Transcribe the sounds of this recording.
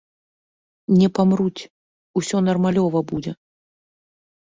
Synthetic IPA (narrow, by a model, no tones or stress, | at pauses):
nʲɛpamɾut͡sʲ | usʲɔnɐrmalʲɔvɐbud͡zʲɛ